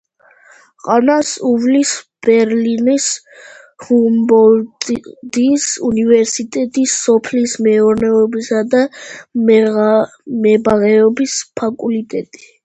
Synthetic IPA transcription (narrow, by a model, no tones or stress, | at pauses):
qʼanasuvlisb̥ɛɾlinis | humbɔld̪isunivɛɾsit̪ʼɛt̪ʼisːɔpʰlismɛɔɾnɛɔbisad̪a | mɛbaʁɛɔbispʰakʼulit̪ʼɛt̪ʼi̥